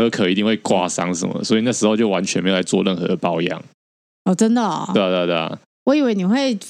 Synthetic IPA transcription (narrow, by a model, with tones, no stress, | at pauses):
ɤ˧˦kʰɤ˨˩i˧t̪i˥˧ŋwe˥˩ɪkwa˥˩sɑ˥˦ŋʂə̰˧˦nmə̰˨˩swɔ˧˥i˨˩na˥˩ʂɻ̩˧˥ho˥˧ʊt͡ɕjo˥˩ʊwa˧˦nt͡ɕʰɛ˧ne˧˥˨la˧˥ɪt͡swɔ˥˧lə˥˩nxɤ̰˧˦d̪ə˨˩pɑ˥ʊjɑ̰˨˩ŋ | ɔ˥˨˩ʈ͡ʂə˦nd̪ə˨we˥˧t̪we˥˧t̪e˥˩ | wɔ˧˦i˨˩we˥˩ni˨˩xwe˥˩ɪ